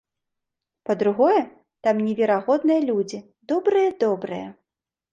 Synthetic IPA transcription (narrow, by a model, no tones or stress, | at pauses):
pɐd̪ɾuɣɔjɛ | t̪amnʲɛvʲɛɾaɣɔd̪nɨjɐlʲud͡zʲi | d̪ɔbɾɨjɐd̪ɔbɾɨjɐ̰